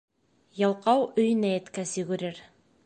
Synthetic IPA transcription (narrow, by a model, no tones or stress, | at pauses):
jɑlˠqɑwɵ̆jnæjæt̪kæsɵ̆ɡɵ̆ɾɘɾ